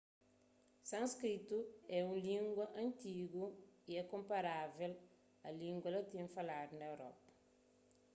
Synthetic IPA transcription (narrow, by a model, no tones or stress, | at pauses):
sɐ̃nskɾit̪uɛũlĩŋɡwɐʔɐ̃nt̪iɡuiɛkõmpɐɾavel | ɐlĩŋɡwɐlɐt̪ĩfɐlaɾnɐewɾɔ̰pɐ̥